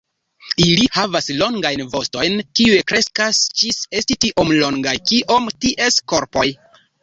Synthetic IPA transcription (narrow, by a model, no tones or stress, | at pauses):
ilihavaslo̞ŋɡajnvo̞sto̞jnkiuekɾe̞skasd͡ʒise̞stitiʔo̞mlo̞ŋɡajkiʔo̞mtiʔe̞sko̞ɾpo̞j